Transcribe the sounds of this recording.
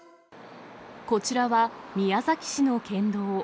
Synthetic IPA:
ko̞t͡ɕiɾaβamʲijazakʲi̥ɕinokẽ̞nd̪o̞ː

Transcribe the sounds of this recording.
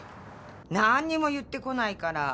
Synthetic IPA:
naɲ̟ːimo̞jɯ̟t̪ːe̞ko̞naikaɾa

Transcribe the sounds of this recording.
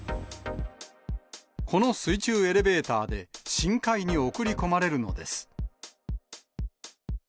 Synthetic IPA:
kʰo̞no̞sɨit͡ɕɨːe̞ɾe̞be̞ːt̪aːd̪e̞ɕĩŋkaiɲ̟io̞kɯ̟ɾʲiko̞maɾe̞ɾɯ̟no̞̰d̪e̞̰sɨ̥

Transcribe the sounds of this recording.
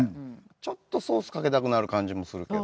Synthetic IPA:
t͡ɕo̞t̪ːo̞so̞ːsɨ̥kake̞t̪akɯ̟naɾɯ̟kãɲ̟d͡ʑimo̞sɨɾɯ̟ke

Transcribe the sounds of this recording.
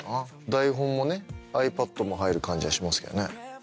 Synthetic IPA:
a | d̪aiɦõ̞mːo̞ne̞aipat̪ːo̞mo̞ɦaiɾɯ̟kãɲ̟d͡ʑiɡaɕimasɨ̥ke̞̰onḛ

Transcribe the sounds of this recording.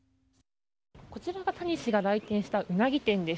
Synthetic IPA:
ko̞t͡ɕiɾaɡat̪aɲ̟iɕiɡaɾait̪ẽɰ̃ɕi̥t̪aʔɯ̟naɡʲit̪ẽ̞nd̪e̞

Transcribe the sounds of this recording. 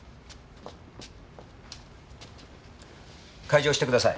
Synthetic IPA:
kʰaid͡ʑoːɕi̥t̪ekɯd̪asai

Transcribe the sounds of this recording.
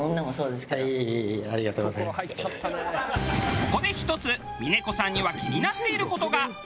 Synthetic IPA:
õnːamoso̞ːd̪esɨ̥kaiaɾʲiɡat̪oːɡsa | ko̞d̪e̞çi̥t̪o̞t͡sɨ | mʲine̞ko̞sãɲ̟ːiβakʲiɲ̟inat̪ːe̞iɾɯ̟ko̞t̪o̞ɡa

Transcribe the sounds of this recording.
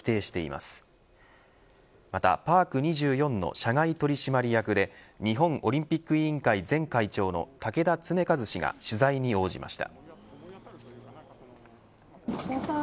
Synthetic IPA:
i̥t̪e̞ːɕi̥t̪e̞ḭmʔa̰sɨ̥ | mat̪a̰paːkɯ̟ɲ̟iʑɨːjõ̞nːo̞̰ɕaŋait̪o̞ɾʲiɕimaɾʲijakɯ̟d̪e̞ɲ̟iɦõ̞ŋʔo̞ɾʲĩmpʲikːɯ̟ĩŋkaid͡zẽ̞ŋkait͡ɕo̞ːno̞̰t̪ake̞d̪at͡sɨne̞kazɨɕiɡa̰ɕɨzaiɲ̟io̞ːʑḭmʔa̰ɕi̥t̪a̰

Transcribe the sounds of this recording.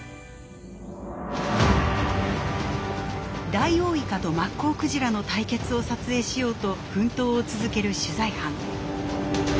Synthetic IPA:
d̪aio̞ːikat̪o̞makːo̞ːkɯ̟ʑiɾano̞t̪aike̞t͡sɨo̞sat͡sɨe̞ːɕijo̞ːt̪o̞ɸɯ̟̃nt̪o̞ːt͡sɨzɨke̞ɾɯ̟ɕɨzaihãŋ

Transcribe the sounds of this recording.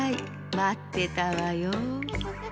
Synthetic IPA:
j | mat̪ːet̪aʋajo

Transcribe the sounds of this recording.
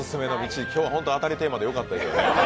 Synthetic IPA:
ɨsɨme̞no̞mʲit͡ɕikʲo̞ːβaɦo̞nt̪oat̪aɾʲit̪e̞ːmad̪e̞jo̞kat̪ːad̪e̞sɨjone

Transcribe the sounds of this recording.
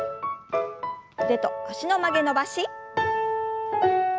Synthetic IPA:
d̪e̞t̪ooɕino̞maɡe̞no̞baɕi

